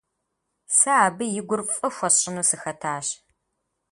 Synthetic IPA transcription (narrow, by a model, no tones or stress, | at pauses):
sɐaːbɨjɪɡʷʊrfʼɐxʷɔɕʼɪnuːsɨxɐtʰaːɕ